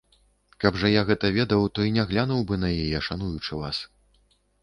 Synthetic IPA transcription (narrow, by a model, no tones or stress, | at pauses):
kɐbʐɐjaɣɛt̪ɐvʲɛd̪ɐwt̪ɔinʲaɣlʲanuwbɨnɐjɛjɛʂanujut͡ʂɨva̰s